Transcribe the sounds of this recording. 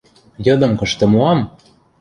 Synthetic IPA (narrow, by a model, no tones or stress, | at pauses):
jɤ̆d̪ɤ̆mkɤ̆ʃt̪ɤ̆muɑm